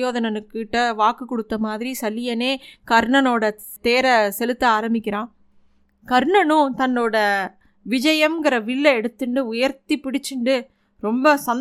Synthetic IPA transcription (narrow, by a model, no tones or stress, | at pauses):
joːðɐnɐnɯkːʈːɐʋaːkɯkːɔɽɯt̪ːɐmaːðɪɾisɐlɪjɐneːkɐɾɳɐnoːɽɐ | t̪eːɾɐsɛlɯt̪ːɯaːɾɐmbɪkʲːɪɾãː | kɐɾɳɐnʊ̃t̪ɐnːoːɽɐ | ʋɪd͡ʒɐjɐmɡɪɾɐʋɪɭːɐɛɽɯt̪ːɯɳɖɯʊjɐɾt̪ipɪɽɪt͡ʃːɯɳɖɯ | ɾɔmbɐsɐn